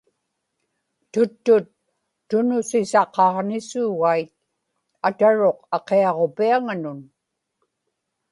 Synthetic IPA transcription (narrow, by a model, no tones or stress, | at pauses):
t̪ʊt̪ːʊt̪ː | ʊnʊsɪsɑqɑʁnɪsuːɣajt̪̚ | at̪aɻo̞qɑqeɑʁo̞piaŋanʊn